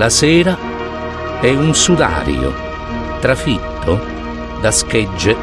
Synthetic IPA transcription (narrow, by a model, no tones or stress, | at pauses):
lasɛːɾa | ɛunsud̪a̰ːɾ̰o̰ | t̪ɾafit̪ːʊ | d̪askɛd͡ʒːe